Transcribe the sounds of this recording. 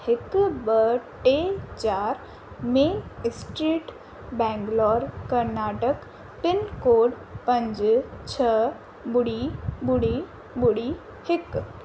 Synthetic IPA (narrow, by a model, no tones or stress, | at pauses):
hɪkbəʈet͡ʃaːɾ | mẽsʈɾiːʈ | bɛ̃ːŋɡlɔːɾkɐɾnaːʈək | pɪnkoːɖ | pɐ̃ɲd͡ʒt͡ʃʰə | bʊɽibʊɽi | bʊɽi | hɪk